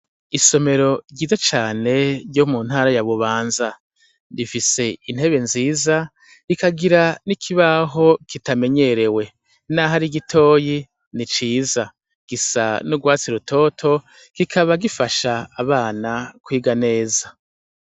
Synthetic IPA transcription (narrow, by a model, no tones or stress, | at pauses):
iso̞me̞ɾo̞ɟiːzat͡ʃaːne̞ɾɟomun̥haːɾajaβuβaːnza | difise̞inhe̞βe̞nziːza | ikaɡiɾanikʰiβaɦo̞kitame̞ɲe̞ɾe̞we̞ | naɦaɾiɡitʰo̞ːji | nit͡ʃiːza | ɡ̥isa̰nuɡwaːt͡siɾutʰo̞ːtʰo̞ | ɡ̥ikʰaβaɡifaʃaːβaːnakwiːɡane̞ːza